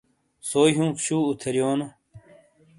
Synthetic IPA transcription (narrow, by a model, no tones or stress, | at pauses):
soːjɦũːpɕuːut̪ʰɐɾjoːno